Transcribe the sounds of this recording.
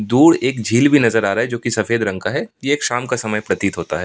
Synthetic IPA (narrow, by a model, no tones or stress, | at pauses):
d̪uːɽeːkd͡ʒʱiːlbʱinɐzəɾaːɾaɦɛd͡ʒoːkisɐfeːd̪ɾɐ̃ŋɡkaɦɛjeeːkʃaːmkasɐməjpɾɐt̪it̪ɦoːt̪a̰ɦɛː